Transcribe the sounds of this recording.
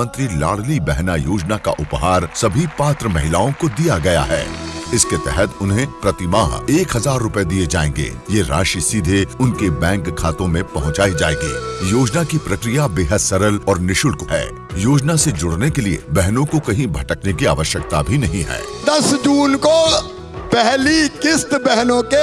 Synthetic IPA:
ə̃nt̪ɾila̰ːɽlibɛɦnajoːd͡ʒnaka̰ʔʊpɦaːɾsɐbʱipaːt̪ɾəmɐɦɪlaːõkod̪ijaɡɐja̰ɦɛ̰ːɪsket̪ɛɦɛt̪ʊnɦẽpɾɐt̪ɪmaːɦeːkɦɐzaːɾːʊpəed̪ied͡ʒaːẽːŋɡḛːjeɾa̰ːʃisid̪ʱeʊnkebɛ̃ːŋkʰːaːt̪õmẽpɐɦʊ̃t͡ʃaːid͡ʒaːẽːŋɡḭːjoːd͡ʒnakipɾɐkɾijabeːɦəd̪sɐɾəlɔːɾnɪʃʊlkoɦɛ̰ː | joːd͡ʒnased͡ʒʊɽnekeliḛbɛɦnõkokɐɦĩbʱɐʈəknekia̰ːʋəʃjək̚t̪abʱinɐɦĩɦɛ̰ːd̪ɐsd͡ʒuːnko | pɛɦlikɪst̪bɛɦnõke

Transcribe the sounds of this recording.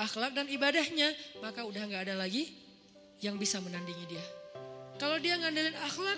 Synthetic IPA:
axlak̚danibadahɲamakaudaɦŋɡaːdalaɡi | jaŋbisamənandiŋidiakalawdiaŋandilɪnaxlak

